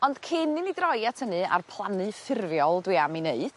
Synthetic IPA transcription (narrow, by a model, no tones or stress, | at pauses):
ɔnd̥kʰɪnɨnidrɔjatʰənɨa̰rpʰlˠanɨfɪrvjɔlˠdwiamineɨd̥